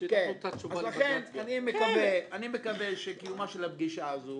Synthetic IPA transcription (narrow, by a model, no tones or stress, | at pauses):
kent̪auvazlaχenanimekaveanimekaveʃekijumaʃelab̚ɡiʃaːzo